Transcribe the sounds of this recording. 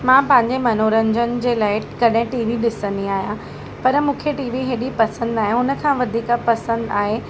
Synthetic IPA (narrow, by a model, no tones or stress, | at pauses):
mãːpɐ̃ɦɪ̃ɲd͡ʑemɐnoːɾə̃ɲd͡ʑənɪ̆d͡ʑeːlaːɪkɐɗɦɪ̃ʈiːʋiɗɪsə̃nd̪iaːɦijã | pɐɾəmũːkʰeʈiːʋiɦeːɗipɐsə̃nd̪aːɦjãʊnə̆kʰãːʋɐd̪ʱiːkapɐsə̃nd̪aːɦe